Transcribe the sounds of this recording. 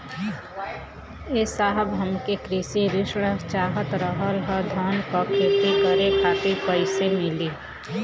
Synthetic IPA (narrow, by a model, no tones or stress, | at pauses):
jeːsaːɦəbɦəmkekɾɪsiɾɪʃɽət͡ʃaːɦət̪ɾəɦəlɦəd̪ʱaːnkakʰeːt̪ikəɾekʰaːt̪ipəɪsemeliː